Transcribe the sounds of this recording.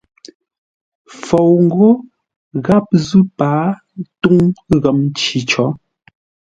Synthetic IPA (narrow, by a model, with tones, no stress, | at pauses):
fo˨wŋ̩˦ɡo˦ | ɣa˦p̚zʉ˦paː˨˦ | tu˦ŋɣə˨m˦t͡ʃi˨˦t͡ʃɔ˨˦